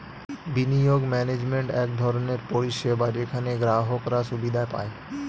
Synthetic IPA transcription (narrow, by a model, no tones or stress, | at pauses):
binijoɡmɛned͡ʑmeɳʈɛk̚d̪ʱɔɾoneɾpoɾiʃebaɾekʰaneɡɾaɦokɾaʃubid̪ʱaepa̰e